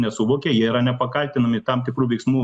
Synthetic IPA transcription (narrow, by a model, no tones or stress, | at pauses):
nʲɛsʊʋoːkʲɛjiɛiɾɐnʲɛpɐkɐlʲt̪ʲɪnɐmʲɪt̪ɐmt̪ʲɪkɾuːʋʲɛɪksmuː